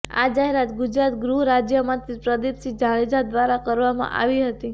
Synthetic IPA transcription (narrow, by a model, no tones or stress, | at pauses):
a̰d͡ʒaɦeɾat̪ɡʊd͡ʒɾat̪ɡɾuɾad͡ʒjəmãt̪ipɾəd̪ipsid͡ʒaɭed͡ʒad̪ʋaɾakəɾʋamã̰ʔa̰ʋiɦət̪i